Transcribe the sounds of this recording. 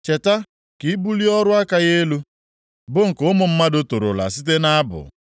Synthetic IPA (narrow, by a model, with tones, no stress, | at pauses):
t͡ʃe˨ta˦ | ki˨˦bu˦li˦ɔ˦ɾʊ˦a˦ka˦ɣe˦lu˦ | bʊ˦ŋ̩˨kʊ˦mʊ˨m̩˦ma˦dʊ˦to˨ɾo̰˨la̰˨si˦t̬e˦na˦bʊ̰˨